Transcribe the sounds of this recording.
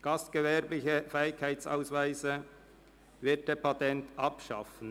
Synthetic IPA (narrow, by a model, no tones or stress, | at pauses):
ɡ̥ɑstɡ̥əvɛʁblɪçəfɛɪɪkʰːaɪt͡sa̰ʊsvæɪsə | vɪɐt̚d̥eːpʰɑtɛntɑpʃɑ̰fən̩